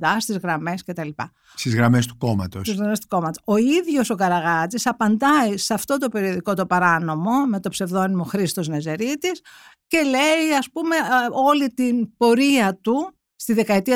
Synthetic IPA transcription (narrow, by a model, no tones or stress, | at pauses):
ɐst̪izɣɾɐme̞sce̞t̪ɐlipɐ̰ | st̪izɣɾɐme̞st̪u̥ko̞mɐ̰t̪osizɣɐmest̪u̥ko̞mɐt̪oo̞iðʝo̞so̞kɐɾɐɣɐt͡sisɐpɐnd̪ɐisɐft̪o̞t̪̬o̞pe̞ɾio̞ðiko̞t̪o̞pɐɾɐno̞mo̞me̞t̪o̞pse̞vðo̞nimo̞xɾist̪o̞zne̞ze̞ɾit̪is | ce̞leiɐspume̞o̞lit̪inb̥o̞ɾiɐt̪u | st̪iðekɐet̪iɐ